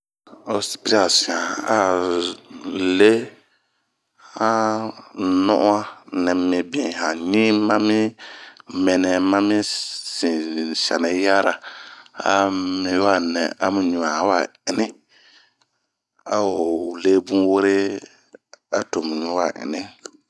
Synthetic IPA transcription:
o˨si̥˨pi˦ɾa˨si˨ã˨a˨ | le˦ | hã˦ | nɔ̰˦ʔa˦nɛ̃˨mĩ˨bĩ˨hã˨ɲĩ˦mã˦mi˦ | mɛ˨nɛ˨mã˦mi˦sĩ˨sa̰˨nɛ˨˦ja˦ɾa˨a̰˦mi˨˦wa˦˨nɛ̃˨a̰˨˦mũ˨ɲũ˨a˨˦wa˨ | ɪ˨nɪ̃˦ | a˨o˨le˦bũ˦we˦ɾe˦ | a˦to˨mũ˨ɲũ˦wa˨ʔɪ̰˨nɪ̃˦

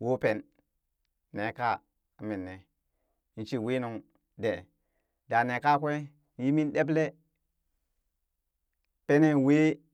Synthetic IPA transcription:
wo˦pe˨nː | e˨˦ka˦˨ | a˨mi˨nːe˨ | i˨n˦t͡ʃi˦we˦no˨ŋ | de˨ | da˨ne˨ka˦kʷe˦ | ji˦mi˦nɗe˦b̬le˦ | pe˦ne˦˨we˦

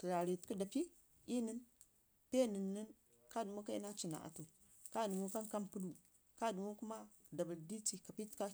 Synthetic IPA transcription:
tə˨ɾa˨ɾi˨tku˦da˨pi˦ | i˦nə˦n | pe˦˨nə˨nːə˦n | ka˦˨du˨mu˦ka˦i˦na˦t͡ʃi˨na̰˨ʔa̰˨tu˨ | ka˦˨du˨mu˦ka˦nka˦mpu˦lu˦ | ka˦˨du˨mu˦ku˦ma˦ | da˨bə˨ldi˦ti˨ka˨pi˦tka˦

